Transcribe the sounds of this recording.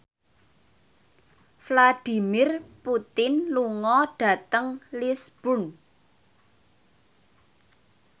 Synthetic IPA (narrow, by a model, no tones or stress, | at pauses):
flad̥i̤mɪrput̪ɪnluŋɔɖ̥a̤t̪əŋlisb̥ṳn